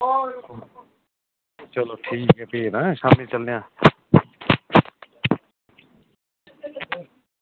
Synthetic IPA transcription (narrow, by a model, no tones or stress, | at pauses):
t͡ʃʌloʈʰiːkɦɛpiːnasamit͡ʃəlneja